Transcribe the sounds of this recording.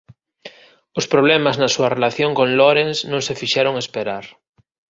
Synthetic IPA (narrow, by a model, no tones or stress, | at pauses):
ospɾoβ̞lemaznasuarelaθjoŋkoŋloɾensnõŋsefiʃeɾoŋespeɾaɾ